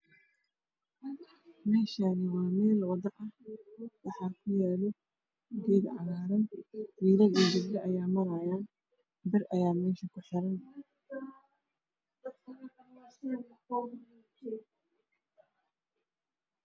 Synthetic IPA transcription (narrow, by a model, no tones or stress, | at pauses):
mɛːʃaːnɪwaːmɛːlwɑdɐʔɐ | wɑħɑːkʰʊjɛːlɔ | ɡɛːɡʕɑɣaːɾɐnfiːlɐniːd͡ʒɪblɐʔɐjaːmɐɾɐjaːn | bɪrʔɐjaːmɛːʃɐkʰʊħɪɾɐn